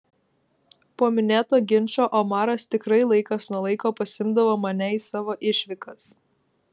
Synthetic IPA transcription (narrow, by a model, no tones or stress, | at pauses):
poːmʲɪnʲeːt̪oːɡʲɪnʲt͡ʃʲoːʔɐmɑːɾɐst̪ʲɪkɾɐɪlˠɐɪkɐsnuɔlˠɐɪkoːpɐsʲɪmd̪ɐʋoːmɐnʲɛiːsɑːʋoːʔɪʃʲʋʲɪkɐs